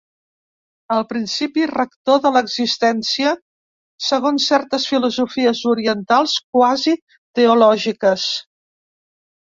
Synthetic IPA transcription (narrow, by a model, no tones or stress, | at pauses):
əlˠpɾinsipirəkt̪oðələɡzist̪ɛnsiə | səɣonsːɛɾt̪əsfiluzufiəzuɾiənt̪alˠsk̚wazi | t̪əulɔʒikəs